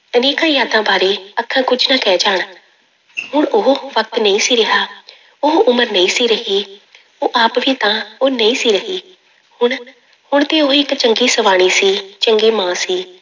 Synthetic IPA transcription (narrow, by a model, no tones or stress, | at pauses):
əneːkãːjaːd̪ãːbaːɾeːəkʰːãːkʊd͡ʒnãːkɛːd͡ʒaːɳ | ɦʊɳʊɦʋək̚t̪nəĩːsiːɾɪɦaː | ʊɦʔʊməɾnəĩːsiːɾəɦiː | oːʔaːpʋiːt̪ãːoːnəĩːsiːɾəɦiː | hʊɳ | hʊɳt̪eːoːɪkt͡ʃəŋɡiːsəʋaːɽ̃iːsiːt͡ʃəŋɡeːmãːsiː